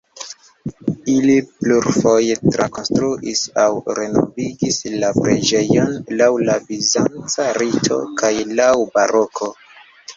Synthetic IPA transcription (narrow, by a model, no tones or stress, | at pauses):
ilipluɾfo̞jetɾa̰ko̞nstɾuʔisawɾe̞no̞̰viɡislapɾe̞̰d͡ʒe̞jo̞nlawlabizant͡saɾitʰo̞̰kajlawbaɾo̞kʰo̞